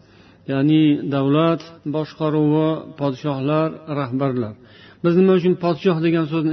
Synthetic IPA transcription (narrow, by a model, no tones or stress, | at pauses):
janɪd̪awlat̪bɒʃqɑɾuwɪpʰɒd̪ɪʃɒhlaɾːahbaɾlaɾ | bɪznɪmaʊt͡ʃʰʊnpʰɒd̪ɪʃɒhd̪e̞ɡʲans̬ɵznɪ